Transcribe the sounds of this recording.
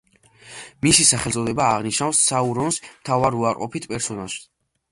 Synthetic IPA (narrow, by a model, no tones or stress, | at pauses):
misisaχɛlt̪sʼɔd̪ɛbaːʁniʃnafsːauɾɔnsmt̪ʰavaɾuaɾqʼɔ̰pʰit̪ʰpʼɛɾsɔnaʃ